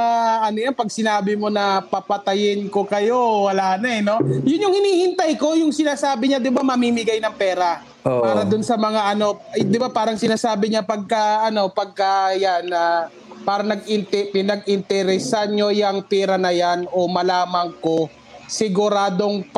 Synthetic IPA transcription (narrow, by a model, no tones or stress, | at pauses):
aɐnojanpɐɡ̚sɪnaːbɪmo̞nɐpɐpɐt̪ɐjɪnko̞kɐjo̞wɐlaːnɐɛno̞jʊnjʊŋhɪniːhɪnt̪ajko̞jʊŋsɪnaːsaːbɪɲad̪ɪbamɐmiːmɪɡajnɐŋpɛːɾa | opaːɾɐd̪ʊnsɐmɐŋaʔɐno̞d̪ɪbapaːɾɐŋsɪnaːsaːbɪɲapɐɡ̚kɐʔɐno̞pɐɡ̚kɐjanːɐ | paːɾɐŋnɐɡɪnt̪pɪnɐɡ̚ɪnt̪ɛɾɛsaɲo̞jɐŋpɛːɾɐnɐjano̞mɐlaːmɐŋko̞ | sɪɡʊɾaːd̪o̞ŋp